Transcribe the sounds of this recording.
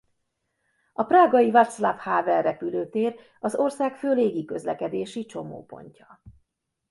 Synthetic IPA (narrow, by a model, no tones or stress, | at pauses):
ɒpraːɡɒjivat̪slafhaːvɛrːɛpyløːt̪eːr | ɒzo̞rsaːkføːleːɡikø̞̰zlɛkɛd̪eːʃit͡ʃo̞mo̰ːpo̞̰ɲcɒ